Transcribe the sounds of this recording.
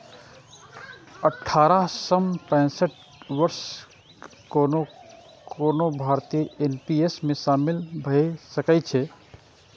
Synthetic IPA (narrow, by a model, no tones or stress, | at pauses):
əʈʰaɾasəmpə̃səʈ | ʋəɾs | kono | konobʱaɾt̪ienpiesmesamilbʱəsəkɛt͡ʃʰɛ